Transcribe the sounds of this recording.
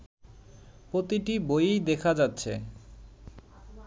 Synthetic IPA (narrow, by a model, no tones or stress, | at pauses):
pɾot̪iʈibojijd̪ekʰad͡ʑatːɕʰe